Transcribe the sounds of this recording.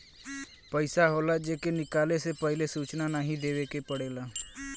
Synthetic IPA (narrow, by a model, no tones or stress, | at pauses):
pəɪsaɦoːlaːd͡ʒeːkenɪkaːlesepəɦɪlesuːt͡ʃnanaːɦĩd̪eːʋekepəɽeːlaː